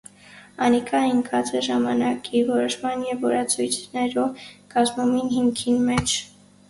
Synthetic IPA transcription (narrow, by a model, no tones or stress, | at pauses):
ɑnikʰɑiŋkʰɑt͡sɛʒɑmɑnɑkivɔɾɔʃmɑnjɛvːɔɾɑt͡sʰujt̪ʰnɛɾɔkɑzmuminhiŋkʰinmɛt͡ʃʰ